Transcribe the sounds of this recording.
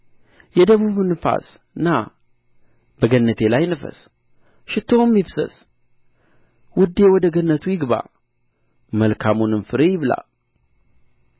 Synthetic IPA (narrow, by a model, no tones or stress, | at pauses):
jɛd̪əβuβɨnɨfa̰s | ɨnːa | bəɡənːət̪ʰe̞lajnɨfə̰s | ʃɪt̪ʰːomjifsə̰s | wʊd̪ːewɔd̪əɡənːət̪ʰujɪɡba̰ | məlkʰamunɨmfɨɾejɪβla̰l